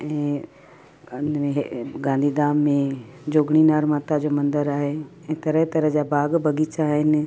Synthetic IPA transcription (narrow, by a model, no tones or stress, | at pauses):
ɛ̃ː | eɦɡãːnd̪ʱiːd̪aːmːẽd͡ʑoːɡɽ̃inaːɾmãːt̪ad͡ʑoːmɐ̃nd̪əɾaːɦeɛ̃ːt̪ɐɾəɦt̪ɐɾəɦd͡ʑabʱaːɡbʱɐɡit͡ɕaːɦɪn